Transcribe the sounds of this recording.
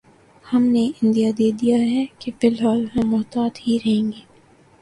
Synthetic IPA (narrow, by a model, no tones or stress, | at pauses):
hɐmneɪ̃nd̪ijad̪eːd̪ijaɦɛkefɪlɦaːlɦɐ̃mʊɦt̪aːd̪hiɾɐɦẽːŋɡeː